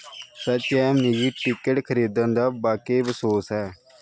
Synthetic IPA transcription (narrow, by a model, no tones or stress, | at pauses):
sət͡ʃːɛːmnid͡ʒiːʈɪkəʈkʰəɾiːd̪ənd̪aːbaːkeːbəsoːsɦɛː